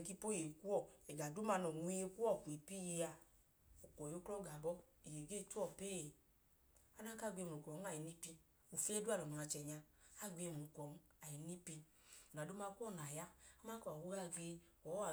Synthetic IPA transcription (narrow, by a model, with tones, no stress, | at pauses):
ki˦po˦je˨ku˦ɔ˦˨ɛ˨ɡa˨du˦ma˧nɔ˨mu˧i˧˦e˧˦ku˦ɔ˦˨ku˨e˨pi˦je˧a˧ | o˨kɔ˨jo˦klɔ˦ɡa˨ɡɔ˦ | i˨je˨ɡe˦˧˦tu˦ɔ˦˨peː˦˨˦ | a˦na˦ka˦˨ɡ͡be˧m˨u˨kɔ˨n˦a˦˨ji˨ni˦pi˧ | u˨fe˦du˦a˦˨nɔ˨nɔ˨a˧˨t͡ʃɛ˨ɲa˧a˦˨ɡe˧m˨u˨kɔ˨n˦ | a˨ji˨ni˦pi˧˨ | n˨a˨do˦ma˧ku˦ɔ˦˨n˨a˨ja˦a˦ma˦kɔ˦˨a˨wo˦ɡla˧ɡ͡be˧ | ɔ˨˦a˨